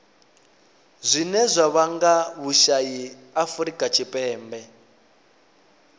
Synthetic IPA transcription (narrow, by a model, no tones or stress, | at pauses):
zʷinɛzʷaβaŋɡaβuʃaji | afuɾikʼat͡ʃʰipʼɛːmbɛ